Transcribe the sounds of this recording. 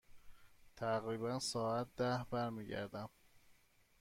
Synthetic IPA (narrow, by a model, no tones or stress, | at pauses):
t̪ʰæɣɾiːbænsɒːæt̪̚d̪æhbæɾmiːɟæ̰ɾd̪æm